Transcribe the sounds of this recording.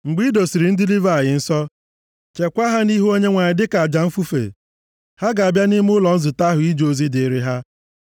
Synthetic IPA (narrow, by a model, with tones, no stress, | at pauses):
ŋ͡m̩˨ɡ͡bi˦do˨si˨ɾi˨n̩˦dɪ˦li˦va˨a˨jɪ˨n̩˦sɔ˦ | t͡ʃe˨kʷa˦ɦa˦ni˦ɦu˦o˦ɲe˦ŋʷa˨ɲɪ˨dɪ˦ka˨a˨d͡ʒa˨m̩˦fu˦fḛ˨ | ha˦ɡa˨a˨bja˦ni˦m˦ʊ˦lɔ˨n̩˦zʊ˨ta˦ɦʊ˨i˦d͡ʒo˨zi˦dɪ˨ɾɪ˦ɦa˦